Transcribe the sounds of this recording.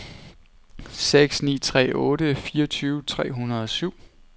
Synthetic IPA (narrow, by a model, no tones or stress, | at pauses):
seɡ̥snḭːt͡sʰʁɛ̰ːʔɔ̽ːɾəfiːɐt͡sʰyːʊt͡sʰʁɛ̰ːɦunɐð̩ˠɒ̽syʊ̰